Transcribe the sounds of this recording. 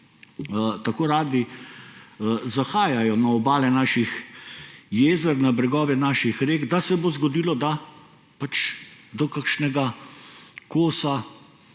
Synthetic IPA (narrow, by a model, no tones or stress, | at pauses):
t̪akoːɾaːd̪i | zaxaːjajɔnaɔbaːlɛnaːʃix | jeːzɛɾnabɾɛɡɔːʋɛnaːʃixɾeːɡd̪asɛboːzɡɔd̪iːlɔd̪a | pat͡ʃd̪ɔkakʃnɛɡa | koːsa